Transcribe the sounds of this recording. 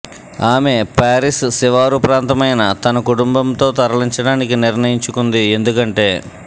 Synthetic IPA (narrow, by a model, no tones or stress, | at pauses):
aːme̞ːpaːɾisːiʋaːɾupɾaːnt̪ɐmɐjnɐt̪ɐnɐkuʈumbɐmt̪o̞ːt̪ɐɾɐɭiɲt͡ʃɐɽaːnikiniɾnɐjiɲt͡ʃukund̪ie̞nd̪ukɐɳʈe̞ː